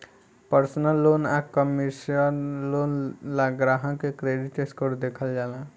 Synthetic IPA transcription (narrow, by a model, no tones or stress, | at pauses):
pəɾsnəlːoːnakəmisənloːnlaɡɾaɦə̃kekɾeɖiʈeskoɾd̪eːkʰəld͡ʒaːlã